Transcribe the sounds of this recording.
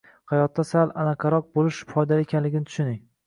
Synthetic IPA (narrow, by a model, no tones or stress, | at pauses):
hajɒt̪ːasalanaqʰɑɾɒq̚bolɪʃfɒjd̪alɪekʲʰanlɪɡʲɪnɪt̪ʰʊ̥ʃɪnɪŋ